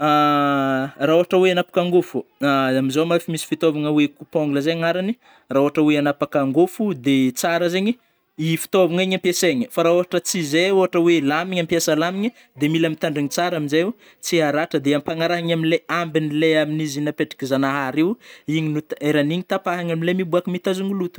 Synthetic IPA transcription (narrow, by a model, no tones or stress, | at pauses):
a | raoɦaʈ͡ʂəweanapḁkaŋɡufuamizomafimisi̥fit̪ovaŋəwekupoŋɡuləzeaŋaɾani | raoɦaʈ͡ʂəweanapakaŋɡufud̪et͡saɾəzeɲi | ifi̥t̪ovaŋiɲampjeseɲəfaɾaoɦaʈ͡ʂət͡sizeoɦaʈ͡ʂəwelamiɲampjasəlamiɲə | d̪emilamit̪aɳɖ͡ʐiŋit͡saɾaminze | t͡siaɾaʈ͡ʂəd̪eampaŋaɾaɦaɲaminleambinileaminizinapeʈ͡ʂi̥kʲizanaɦaɾiwiɲinut̪eɾaniɲit̪apaɦaɲaminlemibuakimit̪azuŋulut̪u̥